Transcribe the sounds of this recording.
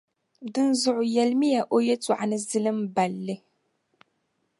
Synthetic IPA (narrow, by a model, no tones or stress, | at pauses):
dɨnzʊʕʊjɐlmijaʔojet͡sʼuʕanɨzɨlɨmbɐlːɨ